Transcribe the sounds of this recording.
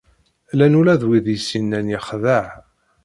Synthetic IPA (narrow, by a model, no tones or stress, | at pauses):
lænulæðwiðjsinːænjɪχðəʕ